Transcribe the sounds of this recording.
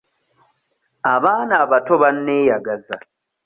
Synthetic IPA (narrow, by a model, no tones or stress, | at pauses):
aβaːnaːβato̞βanːeːjaɡaza